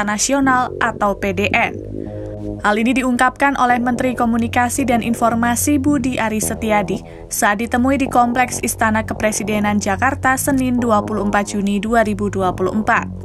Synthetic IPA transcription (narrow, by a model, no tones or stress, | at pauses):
nasionalʔat̪awpedeʔɛn | halinidiuŋkap̚kanʔolɛhmənt̪ɾikomunikasidanʔḭnfɔrmasibudiʔaɾisət̪iadi | saat̪̚dit̪əmuidikɔmplɛksist̪anakəpɾesidenand͡ʒakart̪asəninduapuluəmpat̪̚d͡ʒ̥uniduaɾibuduapulṵʔmpat̪̚